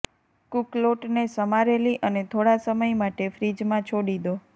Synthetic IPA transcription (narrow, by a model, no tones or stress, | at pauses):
kukloʈnesəmaɾeliʔənet̪ʰoɽasəməjmaʈefɾid͡ʒmãt͡ʃʰoɽid̪o